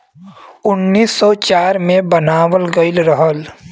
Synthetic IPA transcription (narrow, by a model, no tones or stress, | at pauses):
ʊnːiːsːɔt͡ʃaːɾmẽbənaːwəlɡəɪlɾəɦəl